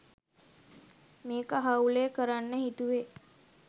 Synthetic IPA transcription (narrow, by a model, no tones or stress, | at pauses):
meːkaɦauleːkəɾanːəɦit̪uʋe